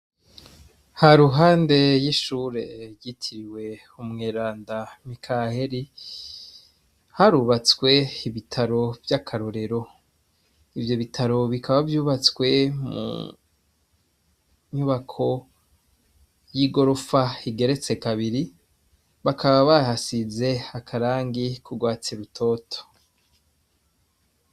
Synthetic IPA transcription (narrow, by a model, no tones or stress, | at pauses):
haɾuɦaːnde̞jiʃuːɾe̞ɾɟitʰiɾiwe̞ | umŋeːɾaːndamikʰahe̞ɾi | haɾuβat͡swe̞iβitʰaɾo̞vjakʰaɾoɾe̞ɾo̞ | ivjo̞βitʰaɾo̞βikaβavjuːβat͡swe̞mṵ | ɲuβakʰo̞ | jiːɡo̞ɾofaiɡe̞ɾe̞t͡se̞kaβiɾi | βakʰaβaβahasize̞akʰaɾaːŋɡikuɡwaːt͡siɾutʰo̞ːtʰo̥